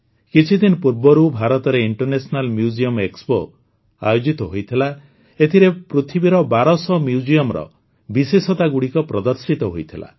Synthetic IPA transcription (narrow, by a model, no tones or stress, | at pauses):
kit͡ʃʰid̪inɔpuɾbɔɾubʱaɾɔt̪ɔɾeiɳʈɔɾnesɔnalmjud͡ʒiɔmekspo̰ | a̰jod͡ʒit̪ɔɦojt̪ʰila | et̪ʰiɾepɾut̪ʰibiɾɔbaɾɔsɔmjud͡ʒijɔmɾɔ̰ | bisesɔt̪aɡuɽikɔpɾɔd̪ɔɾsit̪ɔɦojt̪ʰila̰